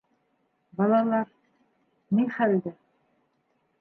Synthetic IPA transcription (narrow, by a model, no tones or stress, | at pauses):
bɑlˠɑlˠɑɾ | niŋχæld̪ɘ